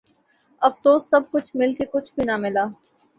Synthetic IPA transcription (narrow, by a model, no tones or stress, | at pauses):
ɐfsoːssɐb̚kʊt͡ʃʰmɪlkekʊt͡ʃʰbʱinamɪlaː